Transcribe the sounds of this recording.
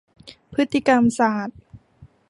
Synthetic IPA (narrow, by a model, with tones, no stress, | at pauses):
pʰɯ˦˥t̪ːi˧˩ka˧msaː˨˩t̪̚